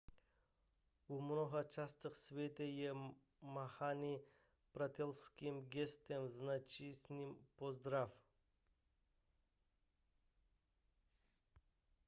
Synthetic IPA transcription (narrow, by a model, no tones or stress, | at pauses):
umnɔɦat͡ʃast̪əxsvʲet̪ejɛ | maxani | pɾat̪ʲɛlskimɡʲɛst̪emznat͡ʃisʲnʲimpozd̪ɾaf